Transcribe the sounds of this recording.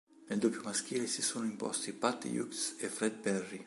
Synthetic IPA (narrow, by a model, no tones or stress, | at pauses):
neld̪opjumask̟iːlesisoːnoimpɔ̰st̪ipat̪ːḭjṵksefɾɛd̪̚bɛrːi